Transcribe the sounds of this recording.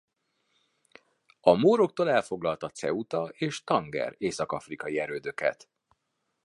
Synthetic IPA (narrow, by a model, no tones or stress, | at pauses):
ɒmoːɾo̞k̚t̪oːlɛlfo̞ɡlɒlt̪ɒt̪sɛ̰ut̪ɒʔeːʃt̪ɒŋɡɛ̰reːsɒkɒfrikɒjiɛɾøːd̪ø̞kɛ̰t̪